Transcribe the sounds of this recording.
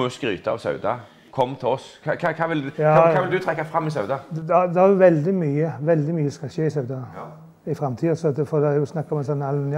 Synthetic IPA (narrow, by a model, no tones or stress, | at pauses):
uskɾy̰ːt̪əɑ̰ʋsœ̰ʉd̪ɑ | kʰɔmːt̪ʰɛɔskʰɑkʰɑkʰɑːʋɪljɑːkʰɑːʋɪld̪ʉt̪ʰɾɛkːɑfɾɑmːɪsœʉd̪ɑd̪ɛd̪ɛhæjʊʋɛld̪ɪmyːəʋɛld̪ɪmyːəskɑlçeɪsœʉd̪ɑ | ɪfɾɑmt̪ʰiːəsɔt̪fɔd̪ɛæjʊsnɑkːɔmɛnsɔnːɑlnj